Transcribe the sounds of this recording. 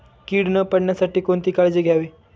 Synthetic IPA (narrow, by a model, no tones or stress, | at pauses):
kiːɽnəpəɽɳjasaʈiːkont̪iːkaɭd͡ʑiːɡʱjaʋiː